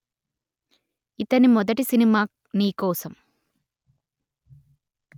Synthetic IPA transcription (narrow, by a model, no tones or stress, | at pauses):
it̪ɐnimɔd̪ɐʈisinimaːk | niːkɔːsɐm